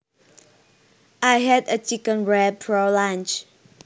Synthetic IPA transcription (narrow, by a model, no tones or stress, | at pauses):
ʔajɦɛdət͡ʃikə̃nɹɛpʰɹɔlãnt͡ʃ